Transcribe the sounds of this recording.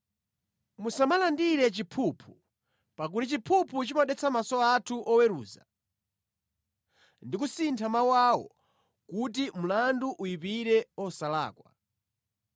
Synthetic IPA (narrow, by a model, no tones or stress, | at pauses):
musamalandiɾɛt͡ʃipʰupʰu̥ | pak̬utit͡ʃipʰupʰut͡ʃimaɗɛt͡sʰamasɔatʰuʔɔwɛɾṵːza | ndik̬usintʰamawawɔ̰ | kut̬im̩landuʔujipiɾɛɔsala̰ːkwa̰